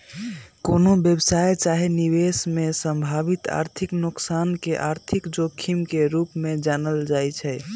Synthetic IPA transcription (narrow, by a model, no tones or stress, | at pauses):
konobjəbsajt͡ʃaɦiniβesmesəmbʱabit̪a̰ɾt̪ʰiknuksankeʔaɾt̪ʰikd͡ʒokʰːimkeɾupmed͡ʒanəld͡ʒajt͡ʃʰɛ